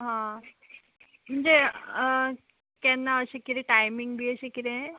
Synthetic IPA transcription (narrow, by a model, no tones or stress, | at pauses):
ɦã | m̤əɳd͡ze | kɛnːaəɕekiɾẽʈajmiŋɡbʱiːəɕekiɾẽ